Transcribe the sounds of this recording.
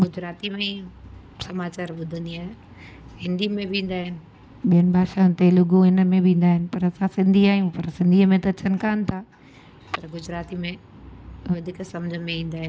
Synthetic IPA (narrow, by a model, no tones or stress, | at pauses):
ɡʊd͡ʑɾaːt̪imẽ | sɐmaːt͡ɕaːɾɓʊd̪ʱə̃nd̪iaːɦɪ | ɦɪ̃nd̪imẽbʱĩːn̆d̪aːɦɪnɪ̆ | ɓijənɪ̆bʱaːʃaːʊnt̪elʊɡoɪnə̆mẽbʱĩːn̆d̪aːɦɪnɪ̆pɐɾɐsãsɪ̃nd̪ʱiaːjũpɐɾsɪ̃nd̪ʱiːəmẽt̪ɐt͡ɕʰɐnɪ̆kaːnɪ̆t̪ʰaː | pɐɾɡʊd͡ʑɾaːt̪imẽ | ʋɐd̪ʱiksɐmd͡ʑʱəmẽĩːn̆d̪aːɦɪnɪ